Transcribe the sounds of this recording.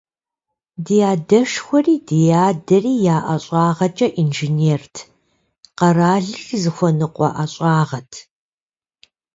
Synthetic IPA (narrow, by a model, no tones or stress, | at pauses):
dijaːdɐʂxʷɔriːdijaːdɐriːjaːʔɐɕʼɑːʁɐt͡ʃʼɐʔinʒineːrtʰ | qɐraːɮɨxzɨxʷɔnɨqʷʼɔ̰ʔɐɕʼɑːʁɐtʰ